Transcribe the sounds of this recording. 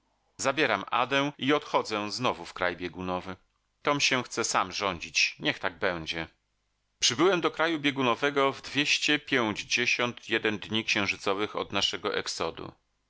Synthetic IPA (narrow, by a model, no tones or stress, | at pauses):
zabʲjɛɾamʔa̰d̪ɛw̃iɔt̪xɔd̪zɛ̃znɔvufkɾajbʲjɛɡunɔvɘ | t̪ɔmɕɛw̃xt̪sɛsamʐɔɲd͡ʑit͡ɕɲɛxt̪aɡ̚bɛw̃d͡ʑɛ | pʂɘbɘwɛmd̪ɔkɾajubʲjeɡunɔvɛɡɔvd̪vʲjeɕt͡ɕɛpʲjɛw̃d͡ʑd͡ʑeɕɔnt̪ʰjɛd̪ɛnd̪ɲikɕɛ̃w̃ʐɘt̪sɔvɘxɔ̰d̪naʂɛɡɔʔɛksɔd̪ṵ